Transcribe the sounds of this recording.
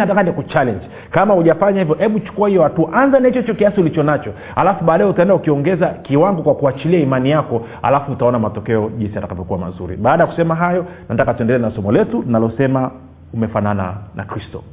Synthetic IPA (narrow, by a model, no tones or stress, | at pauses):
atakanikut͡ʃalɛɲd͡ʒ | kamahuʄafaɲahivjɔʔɛɓut͡ʃu̥kuahijɔhatuʔanzanait͡ʃɔit͡ʃɔkiasiulit͡ʃɔnat͡ʃɔ | halafuɓaːɗajɛutaɛndaukiɔŋɡɛzakiwaŋɡɔkwakuat͡ʃiliaimanijakɔ | ha̰lafuːtaɔnamatɔkɛɔʄinsijatakavɔkuwama̰zṵɾḭɓaːɗajaku̥sɛmaɦajɔnatakatuɛndɛlɛnasɔmɔlɛtuninalɔsɛma | umɛfanana̰na̰kɾistɔ̰